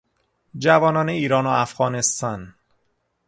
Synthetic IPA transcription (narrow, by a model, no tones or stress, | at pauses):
d͡ʒævɒːnɒːneiːɾɒːnoæfɣɒːne̞st̪ɒn